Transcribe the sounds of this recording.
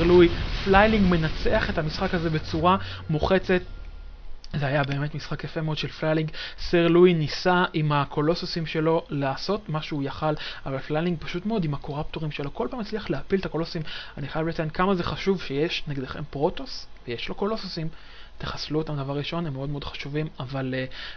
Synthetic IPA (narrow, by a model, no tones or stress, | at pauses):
ʁluiflajliŋɡme̞nat͡se̞aχe̞thamisχakhaze̞be̞t͡suʁamuχe̞t͡se̞t | zehajabe̞ːme̞tmisχakjafemeod̥̪ʃe̞lflajliŋɡseʁlujnisaʔimakʰo̞lo̞sosimʃe̞lo̞laːso̞tmaʃuujaχalavalflaliŋɡ̚paʃutmeo̞d̪imako̞ʁapt̪o̞ʁimʃe̞lo̞ko̞lpaːmit͡sliaχleapilt̪ako̞lossimaniχajavlatnkamazeχaʃuvʃejeʃneɡed̪eχempʁo̞to̞svejeʃlo̞ko̞lo̞sosim | t̪eχḁsluot̪amd̪avaʁʁiʃo̞nemːeo̞d̪meod̪χḁʃuvimaval